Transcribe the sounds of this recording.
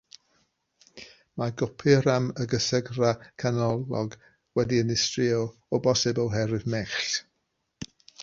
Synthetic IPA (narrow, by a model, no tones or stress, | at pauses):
maɡɔpʰɪɾaməɡəsəɡrakʰanɔlˠɔɡ | wɛdiənɪstriɔ | ɔbɔsɪbəwɦɛɾɨvmɛχɬ